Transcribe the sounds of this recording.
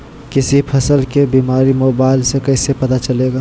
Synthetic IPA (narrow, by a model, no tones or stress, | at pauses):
kɪsipʰɐsəlkebiːmaːɾimoːbaːɪlsekɐːsepɐt̪at͡ʃɐleːɡaː